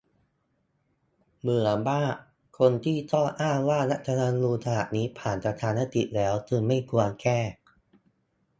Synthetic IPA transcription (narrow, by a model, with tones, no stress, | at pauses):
mɯ˨˩˦ɐbaː˥˩ | kʰo˧nt̪ʰiː˥˩t̪ɔ˥˩ʔaː˥˩ŋwaː˥˩na˦˥ʔ̚t̪ʰa˧na˧nluː˧t̪ʰa˧naː˨˩t̪̚niː˦˥pʰaː˨˩npa˧t̪ʰaː˧nːa˦˥t̪ḭ˨˩lɛː˦˥wt̪ʰɯː˧ŋma˥˩jku˧ɐkɛː˥˩